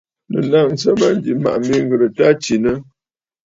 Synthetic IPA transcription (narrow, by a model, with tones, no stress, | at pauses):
nə̰˨na˦˨n̩˨˦sə˦ma˦n˦d͡ʒi˨ma̰˨ʔm̩˦bi˦ŋ̩˦ɡə˨ɾə˨ta˦t͡ʃi˨nə˦